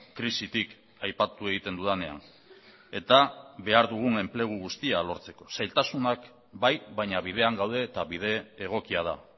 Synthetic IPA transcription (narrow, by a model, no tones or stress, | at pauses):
kɾisit̪ik | ajpat̪ue̞ɣ̞it̪e̞nd̪uðane̞a̰n | e̞t̪aβe̞aɾðuɣ̞une̞mple̞ɣ̞uɣust̪ialo̞ɾt͡se̞ko̞sajlt̪asunak | bajβajɲaβ̞ið̞e̞aŋɡawð̞e̞t̪aβiðe̞ːɣ̞o̞kiaða